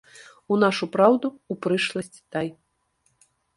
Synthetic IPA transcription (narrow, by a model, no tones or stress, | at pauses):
unaʂupɾawd̪uːpɾɨʂlˠɐsʲt͡sʲi̥t̪aj